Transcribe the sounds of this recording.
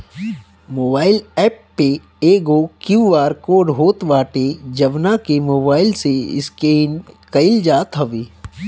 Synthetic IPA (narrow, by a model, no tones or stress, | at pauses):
moːbaːɪlɛːpːe | eːɡokjuːaːɾkoːɖɦoːt̪ʋaːʈed͡ʒɐʋnakemoːbaːɪlseɪ̰skenkɐɪld͡ʒaːt̪ɦɐʋeː